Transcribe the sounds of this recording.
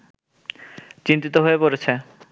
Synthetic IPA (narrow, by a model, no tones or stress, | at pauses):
t͡ɕint̪it̪oɦoepoɾet͡ɕʰe